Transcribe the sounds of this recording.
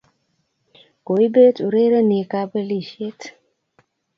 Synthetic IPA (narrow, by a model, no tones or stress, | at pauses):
koibet͡ʃuɾeɾənekabəliʃet̪ʰ